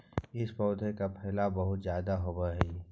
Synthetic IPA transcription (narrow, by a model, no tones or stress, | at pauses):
ɪspɔːd̪ʱekapʰɛɦɪlabɐɦʊt̪zjaːd̪aɦʊbəɦɛ